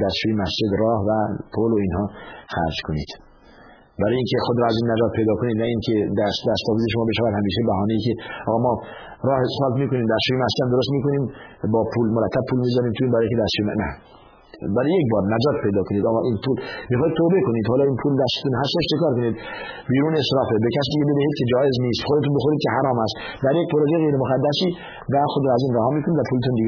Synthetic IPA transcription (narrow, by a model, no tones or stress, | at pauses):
d̪æst̪t͡ʃuːjemæsd͡ʒed̪ɾɒːhvæpʰoloiːnhɒːxæ̰ɾd͡ʒkʰonḭːd̪̥ | bæɾɒːjiŋkʰexod̪ɾɒːæziːnːæd͡ʒɒːt̪̚pʰe̞jd̪ɒːkoniːd̪næiːŋkʰed̪æsd̪æst̪ɒːviːzeʃomɒːbe̞ʃævæd̪hæmiːʃebæɦɒːneiːkeʔɒːɣɒːmɒː | ɾɒːhesxɑːlt̪miːkoniːmd̪æst͡ʃuːjemæsd͡ʒed̪æmd̪oɾost̪miːkʰoniːmbɒːpʰuːlmoɾæt̪ʰːæb̚pʰuːlmiːzæɾiːmt̪ʰuiːnbæɾːjiŋkʰʲed̪æst̪ʃujemnæ̰ | bæɾijekbɒːɾnæd͡ʒɒːt̪̚pʰejd̪ɒːkʰoniːd̪ɒːɣɒːʔiːnpʰuːlmiːxɑːhid̪̚t̪ʰoːbe̞koniːd̪hɑːlɒːiːnpʰuːld̪æst̪e̥t̪unɦæst̪eʃt͡ʃʰekɒːɾkoniːd̪ | biːɾuːnesɾɒːfebekʰæs̬iːd̪iɟebe̞d̪æhiːd̪̥̚kʰʲe̞d͡ʒɒːʔezniːst̪xod̪et̪uːnbexoɾiːd̪̚kʰe̞hæɾɒːmæst̪ | d̪æɾjek̚pʰoɾod͡ʒeɣejɾemoɣæd̪ːæsiː | væxod̪ɾɔæziːnɾæhɒːmiːkʰonid̪væpʰuːlet̪und̪iɡe